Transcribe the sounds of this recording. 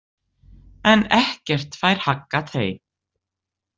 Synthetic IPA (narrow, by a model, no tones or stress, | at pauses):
ɛnɛhcɛr̥t̪fajɾ̥hakːat̪ʰeːj